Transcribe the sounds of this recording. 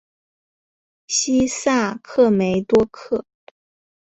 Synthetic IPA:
ɕi˥sa˥˩kʰɤ˥˩me˧˥ɪt̪wɔ˥kʰɤ˥˩

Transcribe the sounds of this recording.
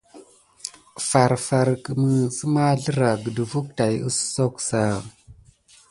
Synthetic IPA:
fa˨ɾfa˨ɾkə˨mə˨sə˦ma˦ɮə˦ɾa˨ɡə˨də˨vu˦k̚ta˨ju˦sso˦ksa˦˨

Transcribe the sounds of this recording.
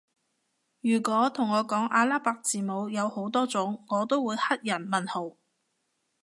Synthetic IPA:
jyː˨˩kʷɔː˨˥t̪ʰʊ˨˩ŋɔː˨˧kɔː˨˥ŋʔaː˧laː˥paː˧k̚t͡siː˨mo˨˧wjɐ˨˧who˨˥wt̪ɔː˥t͡sʊ˨˥ŋːŋɔː˨˧t̪o˥wuː˨˧jhɐ˥t̚jɐ˨˩nmɐ˨nho˨˩w

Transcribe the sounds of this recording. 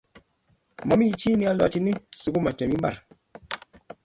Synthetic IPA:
ma˨mi˦i˨˦t͡ʃiː˦ni˦a˦lɔ˨t͡ʃi˦ni˦su˨ku˦ma˨t͡ʃɛ˨mi˦m˦ba˦˨ɾ

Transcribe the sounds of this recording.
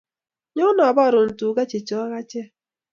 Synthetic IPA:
ɲɔ˦nɔ˨bɔ˦˨ɾʊ˨n̩˨tu˨ɡa˦t͡ʃe˨t͡ʃɔ˦ɣa˦t͡ʃɛ˦

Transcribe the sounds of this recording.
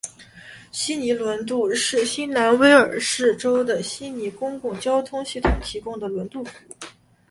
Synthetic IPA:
ɕi˥ni˧˥lwə˧˥nt̪u˥˧ʂɻ̩˥˩ɕi˥nna˧˥nwe˥ɪə˞˨˩ʂɻ̩˥˩ʈ͡ʂo˥ʊd̪ə˨ɕi˥ni˧˥kʊ˥ŋkʊ˥˩ŋt͡ɕjɑ˥ʊt̪ʰʊ˥ŋɕi˥˩t̪ʰʊ˨˩˦ŋt̪ʰi˧˥kʊ˥ŋd̪ə˨lwə˧˥nt̪u˥˩fu˨˩

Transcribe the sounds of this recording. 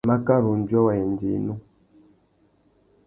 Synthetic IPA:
ma˦ka˦ɾu˨n˨d͡ʒɔ˦wa˨e˨n˨dḭ˨nu˦

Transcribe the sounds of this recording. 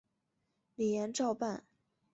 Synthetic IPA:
li˨˩jɛ˧˥nʈ͡ʂɑ˥˧ʊpa˥˩n

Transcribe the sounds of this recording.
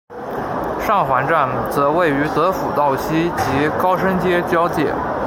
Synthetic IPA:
ʂɑ˥˩ŋxwa˧˥nʈ͡ʂa˥˩nt͡sɤ˧˥we˥˩ɪy˧˥t͡sɤ˧˥fṵ˨˩t̪ɑ˥˩ʊɕi˥t͡ɕi˧˥kɑ˥ʊʂə˥nt͡ɕjɛ˥t͡ɕjɑ˥ʊt͡ɕjɛ˥˩

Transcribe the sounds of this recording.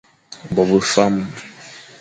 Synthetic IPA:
bɔ˨bə˦fa˦m

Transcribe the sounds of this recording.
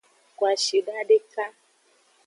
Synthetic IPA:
kwa˨ʃi˨da˦ɖe˦ka˦

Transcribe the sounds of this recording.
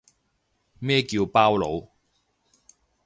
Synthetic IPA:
mɛː˥kiː˧wpaː˥wlo˨˧w

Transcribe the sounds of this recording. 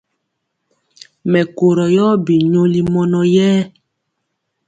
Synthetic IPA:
mɛ˨ko˨ɾɔ˨jɔː˦bi˨ɲo˨li˨mɔ˨nɔ˨jɛː˦

